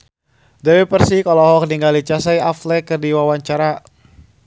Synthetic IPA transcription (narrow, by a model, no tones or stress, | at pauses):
dɛwɛpərsihkalɔɦɔk̚niŋɡalit͡ʃasajaflɛkɨrdiwawaɲt͡ʃaɾa